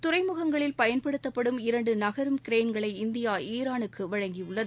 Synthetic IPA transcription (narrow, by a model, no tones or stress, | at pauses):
t̪ʊɾɐɪmɯɣɐŋɡɐɭɪlpɐjɐnpɐɽɯt̪ːɐpːɐɽɯmɪɾɐɳɖɯnɐɣɐɾɯmkɪɾeːnɡɐɭɐɪɪnd̪ɪjaːiːɾaːnɯkʰːɯʋɐɻɐŋɡiʊɭːɐðɯ